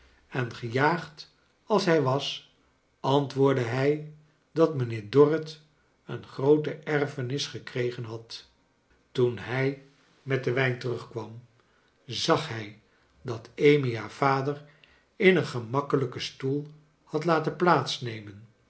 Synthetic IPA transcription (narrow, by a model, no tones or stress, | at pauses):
ɛnχəjaːχt | ɑlˠsɦɛjʋɑs | ɑntʋʊːɹdəɦɛj | dɑtmənɪːɹdɔrət | ənχrowtəʔɛrfənɪsχəkrejχənɦɑt | tunɦɛj | mɛt̚dəʋɛjntərɵχkʋɑm | zɑχɦɛj | dɑtejmiaːv̥aːdər | ɪnənχəmɑkələkəstulˠ | hɑtlaːtənplaːtsnejmən